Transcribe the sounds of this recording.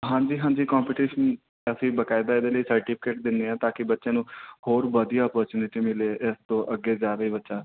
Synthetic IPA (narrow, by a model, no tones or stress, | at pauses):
ɦãːɲd͡ʒiːɦãːɲd͡ʒiːkɔːmpiːʈiːʃən | əsĩːbəkaːid̪aːɪd̪eːləiːsəɾʈɪpʰɪ̥keːʈ̚d̪ɪnd̪eːãːt̪aːkɪbətːʃãːnũːhoːɾbəd̪ijaːɔːpəːɾt͡ʃuːnɪʈiːmɪleːʔɪst̪õːʔəɡːeːd͡ʒaːɾeiːbətːʃaː